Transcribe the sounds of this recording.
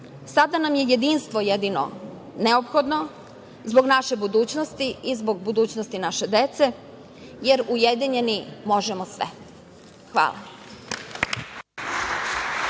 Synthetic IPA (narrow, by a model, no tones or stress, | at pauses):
sad̪anamje̞je̞d̪iːnst̪ʋojed̪ino̞̰ | neopxo̞d̪no̞ | zbo̞ɡnaʃe̞bud̪uːt͡ɕnost̪iizbo̞ɡbud̪uːt͡ɕnost̪inaʃe̞d̪et̪se̞ | jeɾujed̪iɲe̞nimo̞ʒemosʋḛ | xʋa̰ːlˠa̰